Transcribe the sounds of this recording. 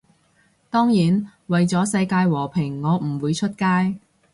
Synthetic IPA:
t̪ɔː˥ŋjiː˨˥nwɐ˨jt͡sɔː˨˥sɐ˧jkaː˧jwɔː˨˩pʰɪ˨˩ŋːɔː˨˧m̩˨˩wuː˨˧jt͡ʃʰɵ˥t̚kaː˥j

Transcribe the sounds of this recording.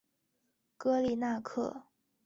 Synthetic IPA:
kɤ˥li˨˩na˥˧kʰɤ˥˩

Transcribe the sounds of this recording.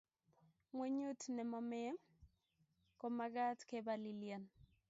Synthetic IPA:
mwe˦ɲu˦tnɛ˨mɔ˨mɛ˦ | ko˨maɡa˦tkebalilia˨n

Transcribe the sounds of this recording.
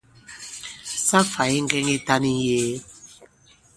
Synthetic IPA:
sa˦fa˨i˦ŋ˦ɡɛ˦ŋi˦t̪a˧nĩ˦jeː˦

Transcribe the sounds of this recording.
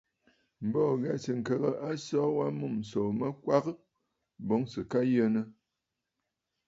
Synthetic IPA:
m̩˨bɔː˦˨ɣa˨sɨ˨ŋ̩˨kə˨ɣə˨ʔa˦sɔ˦wa˦mu˦˨m˨so˨mə˦kwa˦ɣə˦ | bo˨˦ŋsɨ˨ka˦jə˦nə˦

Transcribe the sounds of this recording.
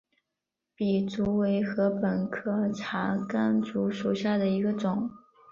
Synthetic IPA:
pi˨˩t͡su˧˥we˧˥ɪxɤ˧˥pə˨˩nkʰɤ˥˩ʈ͡ʂʰa˧˥ka˥nt͡su˧˥ʂu˨˩ʊɕja˥˩d̪ə˩i˧˥ɡə˧ʈ͡ʂʊ˨˩˦ŋ

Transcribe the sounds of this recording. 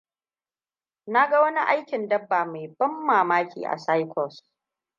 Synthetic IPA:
na˦ɡa˦wɐ˦ni˦ʔa˦jkʲɪ˨ndɐ˦bːaː˨ma˨jbɐ˦mːaː˨maː˦kʲḭː˨ʔa̰˨sa˦jkʰʷɔ˨s

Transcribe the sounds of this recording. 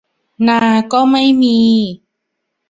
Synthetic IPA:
naː˧kɔː˥˩ma˥˩jmiː˧

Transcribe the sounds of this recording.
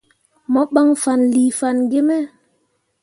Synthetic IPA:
mɔ˦ɓa˦ŋfa˨nliː˨fa˨nɡe˦mɛ˦

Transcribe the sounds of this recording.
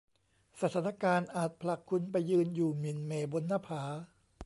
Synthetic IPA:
sa˧t̪ʰaː˦˥na˧kaː˧nʔaː˨˩t̪̚pʰla˨˩kʰːu˧npa˧jːɯː˧njuː˨˩mi˨˩nmeː˨˩bo˧nːaː˧˥pʰaː˩˦

